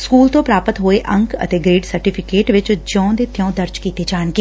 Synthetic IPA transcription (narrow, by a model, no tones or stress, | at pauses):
skuːlt̪õːpɾaːpət̪ɦoːeʔə̃ŋkə̰t̪eːɡɾeːɖsəɾʈiːpʰɪkeːʈʋɪt͡ʃd͡ʒɔ̃ːd̪eːt̪ɪjɔ̃ːd̪əɾd͡ʒkiːt̪eːd͡ʒaːɳɡeː